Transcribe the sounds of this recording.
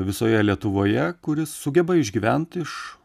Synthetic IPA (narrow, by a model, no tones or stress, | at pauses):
ʋʲɪsoːjɛlʲiɛt̪ʊʋoːjɛkʊɾʲɪsːʊɡʲɛbɐɪʒʲɡʲiːʋʲɛnt̪ɪʃ